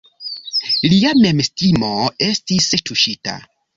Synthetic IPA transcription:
liame̞mstimoe̞stistuʃita̰

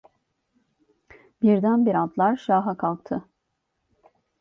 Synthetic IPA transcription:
biɾd̪ænbiɾat̪lˠaɾʃaːɦakʰalˠk̚t̪ʰɯ

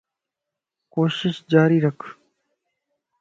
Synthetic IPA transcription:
koːʃɪʃd͡ʒaːɾiːɾəkʰ

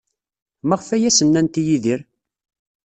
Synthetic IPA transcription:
mæʁəfæjæsənːænt̪ijiðiɾ

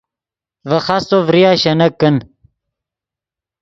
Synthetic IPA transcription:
vɐχɑst̪ovɾijaːɕɐnɐkːən

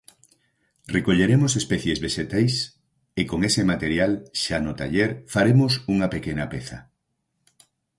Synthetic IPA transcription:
rekoʎeɾemosespɛθjezβeʃet̪ajs | ekoŋesemat̪eɾjalʃanʊt̪a̰ʎeɾfaɾemosuŋɐpekenɐpeθɐ̰

